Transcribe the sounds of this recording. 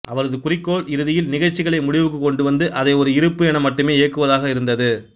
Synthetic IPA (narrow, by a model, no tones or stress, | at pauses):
ʔɐʋɐɾɐðɯkʊrɪkːoːɭɪɾɯðɪjɪlnɪɣɐɻt͡ʃːɪɣɐɭɐɪmʊɽɪʋɯk̬ːɯkːɔɳɖɯʋɐnd̪ɯʔɐðɐɪɔɾɯɪɾɯpːɯɛɳɐmːɐʈːɯmeːeːkːɯʋɐðaːɣɐɪɾɯnd̪ɐðɯ